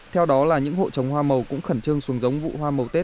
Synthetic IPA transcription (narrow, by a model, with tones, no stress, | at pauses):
t̪ʰɛ˧wɗɔ˨˦laː˨˩ɲɨ̰˧˥ŋho̰˧˨t͡ɕə˨˩wŋ͡mhwaː˧mə˨˩wkʊ̰˧˥ŋ͡mxə˧˩nt͡ɕɨ˧əŋsu˨əŋzə˨˦wŋ͡mvṵ˧˨hwaː˧mə˨˩wt̪e˦˥t̚